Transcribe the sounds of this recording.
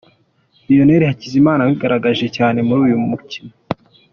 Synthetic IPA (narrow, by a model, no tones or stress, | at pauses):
bijo̞ne̞ɾihacizimaːnaβiɡaɾaɡaʒe̞caːne̞muɾuːjumucina